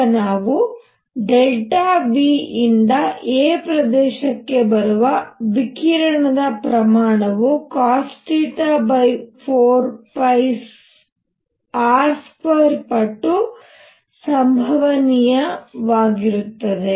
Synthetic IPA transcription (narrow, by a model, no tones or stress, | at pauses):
naːʋu | ɖelʈaːbiːind̪ɐeːpɾɐd̪ɛːʃɐkːe̞bɐɾuʋɐʋikiɾɐɳɐd̪ɐpɾɐmaːɳɐʋukaːsʈiːʈ̪ɐbɐjpʰoːɾpɐjs | aːɾskɐɾpɐʈːu | sɐmbʱɐʋɐnijɐʋaːɡiɾut̪ːɐd̪e